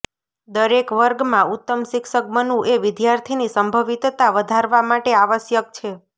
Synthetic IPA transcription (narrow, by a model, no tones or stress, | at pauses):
d̪əɾekʋəɾɡmãut̪ːəmʃɪkʃək̚mənũʔeʋɪd̪jaɾt̪ʰinisəmbʱəʋit̪t̪aʋəd̪ʱaɾʋamaʈeaʋəsjək̚t͡ʃʰe